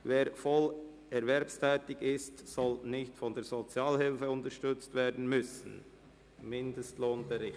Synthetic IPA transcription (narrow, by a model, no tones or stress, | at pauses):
veːɾfɔl | ɛɾvɛɾpstʰɛːtɪɡɪstsɔlnɪçtfɔndeːz̥ot͡sjaːlhɪlfəʊntəʃtʏt͡stveːdn̩mʏsn̩ | mɪndəstloːnbəʁɪ